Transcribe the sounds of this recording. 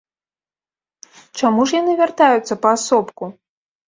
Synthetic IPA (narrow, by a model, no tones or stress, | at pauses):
t͡ʂamuʂjanɨvʲart̪ajut̪sːɐpɐːsɔpku